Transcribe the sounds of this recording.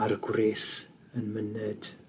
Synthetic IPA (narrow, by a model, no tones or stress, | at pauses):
aɾɡwreːs | ənmənəd̥